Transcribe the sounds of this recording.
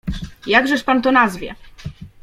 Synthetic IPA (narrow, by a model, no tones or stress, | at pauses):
jaɡʐɛʂpant̪ɔnazvʲjɛ̰